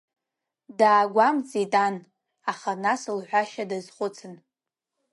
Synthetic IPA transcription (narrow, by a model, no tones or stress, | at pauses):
daːɡʷamt͡sʼitʼan | aχanasɨlħʷaʃadazχʷʊt͡sʰɨn